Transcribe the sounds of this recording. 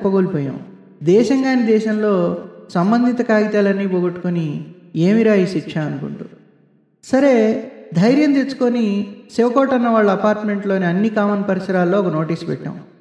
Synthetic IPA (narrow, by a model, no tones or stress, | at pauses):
pːɐɡoːlipɔːjɐ̰m | d̪ɛːʃɐŋɡaːnid̪ɛːʃɐmlo̞ːsɐmbɐnd̪ʱit̪ɐkaːɡit̪aːlɐnːiːboːɡoʈːu̥koni | eːmiɾaːjiʃiʈʂʰaɐnukṵɳʈṵː | sɐɾeːd̪ʱɐjɾjɐmt̪esu̥konisɛʋɐkɔːʈɐnːɐʋaːɭːɐɐpaːɾʈme̞ɳʈlo̞ːniɐnːikaːmɐnpɐɾɐsɐɾaːlːoːokɐno̞ːʈiːspɛ̰ʈːɐ̰ːm